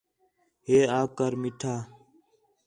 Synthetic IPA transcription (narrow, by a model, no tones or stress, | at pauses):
ɦeːaːkəɾmɪʈʰaː